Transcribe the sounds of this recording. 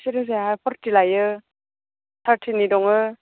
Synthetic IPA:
siɾɯz̬eapʰɔɾtilajɯ | tʰaɾtʰinidɔŋɯ

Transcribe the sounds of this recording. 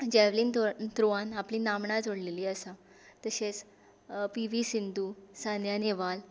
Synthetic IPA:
d͡ʑɛʋlint̪ɾuʋãnapliːnamɳad͡zoɽleliːəsa | t̪əɕẽt͡s | piʋisind̪usanjaneʋal

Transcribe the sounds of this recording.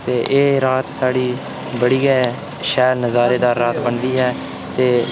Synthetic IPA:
t̪eːʔeːɾaːt̪saːɽiː | bəɽiːɡɛː | ʃɛːlnəzaːɾeːd̪aːɾːaːt̪bəɳd̪iːɦɛː | t̪eː

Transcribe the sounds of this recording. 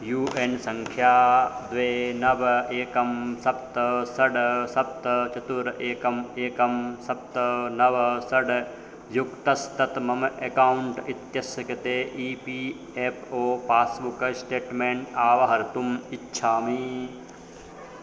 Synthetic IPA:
juːʔensɐ̃ŋkʰjaːd̪ʋeːnɐʋɐeːkɐmsɐp̚t̪ɐsɐɖsɐp̚t̪ɐt͡ʃɐt̪uɾeːkɐmeːkɐmsɐp̚t̪ɐnɐʋɐsɐɖ | jukt̪ɐst̪ɐt̪mɐmekaːwɳʈit̪jɐsjɐkɐt̪eːʔiːpiː | eːpʰoːpaːsbukɐsʈeːʈmeːɳʈaːʋɐɦɐɾt̪umitːʃʰaːmi

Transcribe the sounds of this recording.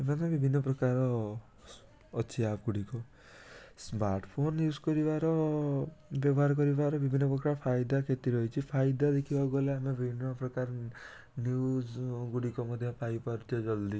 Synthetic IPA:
emat̪ɔbibʱinːɔpɾɔkaɾɔ | t͡ʃʰiap̚ɡuɽikɔ | smaɾʈpʰonjud͡ʒkɔɾibaɾɔ | bjɔbɔɦaɾk̬ɔɾibaɾɔbibʱinːɔpɾɔkɾaɾɔpʰajd̪akʰet̪iɾɔɦit͡ʃʰipʰajd̪ad̪ekʰibaɡoleamebibʱinːɔpɾɔkaɾ | njud͡ʒɡuɽikɔmɔd̪ʱjɔpajupaɾut͡ʃʰɔd͡ʒɔld̪i

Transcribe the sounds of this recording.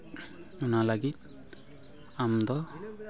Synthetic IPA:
unalaɡit̪̚ | amd̪ɔ

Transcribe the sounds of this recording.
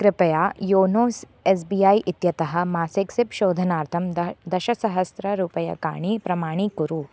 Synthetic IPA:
kɾɪpɐjaːjoːnoːs | eːs̬biːaːjʔit̪jɐt̪ɐɦɐ̆maːseksipʃoːd̪ʱɐnaːɾt̪ʰɐmd̪ɐʃɐsɐɦɐsɾɐɾuːpɐjɐ̰ka̰ːɳipɾɐmaːɳ̃ikuɾu

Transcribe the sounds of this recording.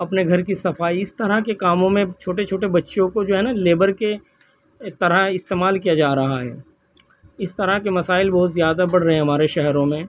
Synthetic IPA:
ɐpneɡʱɐɾkisɐfaːiɪst̪ɐɾakekaːmõmẽt͡ʃʰoːʈet͡ʃʰoːʈebɐtːʃjõkod͡ʒoːɦɛːnaleːbəɾke | t̪ɐɾaɦɪst̪eːmaːlkijad͡ʒaːɾɐɦaɦɛ̰ː | ɪst̪ɐɾakemɐsaːɪlbɔɦʊt̪zjaːd̪abɐɽ̤ɾɐɦẽɦɐmaːɾeʃɛɦɾõmẽ

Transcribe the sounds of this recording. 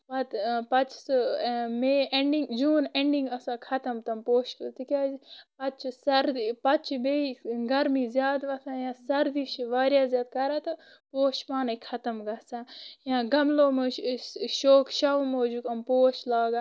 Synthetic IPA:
ʋɐt̪pɐt͡ʃʰsmeːeɳɖiŋɡd͡ʒuːneɳɖĩŋɡɐsãːkʰɐt̪ɐmt̪ɐmpoːʃpɨt̪ikʲaːpɐt͡ʃʰsɐɾd̪ipɐt͡ʃʰmeiɡɐɾmiːzjaːd̪ʋɐt̪ʰãːjãːsɐɾd̪iʃiʋaːɾjaːzjaːd̪̚kɐɾaːt̪ɐ | poːʃpaːnɐkʰɐt̪ɐmɡɐsãːjãːɡɐmloːmɨʃoːkʃɐʋmoːd͡ʒukɐmpoːʃlaːɡa

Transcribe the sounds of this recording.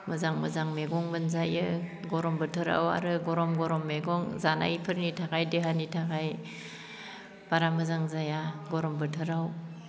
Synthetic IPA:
mɯzaŋmɯzaŋmeɡɔŋbɯnzajɯ | ɡɔɾɔmbɯtʰɯɾa̰wa̰ɾɯɡɔɾɔmɡɔɾɔmːeɡɔŋzana̰ipʰɯɾnitʰakʰajdeɦanitʰakʰaj | paɾamɯzaŋzajaɡɔɾɔmbɯtʰɯɾaw

